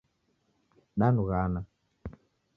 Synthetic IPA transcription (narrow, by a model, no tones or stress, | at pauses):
ɗanuɣana